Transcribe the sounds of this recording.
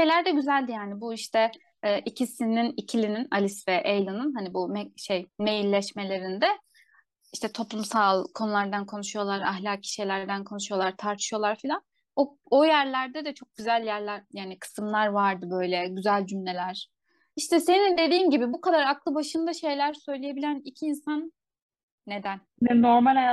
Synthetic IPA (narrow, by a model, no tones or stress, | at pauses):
ʃejlʲæɾd̪ɛɟyzælʲd̪ijaːnibuiʃt̪ʰɛː | ʔicʰisininicʰilʲininalʲisvɛʔejlˠanɯnɦanibumɛʃejme̞jilʲːɛʃme̞lʲe̞ɾind̪ɛ | iʃt̪ʰɛt̪ʰo̞plˠumsalˠkʰo̞nulˠaɾd̪ankʰonuʃujo̞lˠaɾa̰hlʲaːcʰːi̥ʃɛjlʲæɾd̪ænkʰo̞nuʃujo̞lˠaɾt̪ʰaɾt̪ʰɯ̥ʃɯjo̞lˠaɾfilʲan | o | ojæɾlʲæɾd̪ɛd̪ɛt͡ʃʰo̞k̚ɟyzælʲjæɾlʲæɾjaːnikʰɯ̥sɯmlˠaɾvaɾd̪ɯbø̞jlʲɛɟyzælʲd͡ʒymlʲe̞lʲæɾ̥ | iʃt̪ʰɛse̞nind̪e̞d̪iːmɟibibukad̪aɾaklˠɯbaʃɯnd̪aʃe̞jlʲæɾsø̞jlʲijebilʲænicʰiːnsanː | e̞d̪æn | nɛnoɾmalʲaj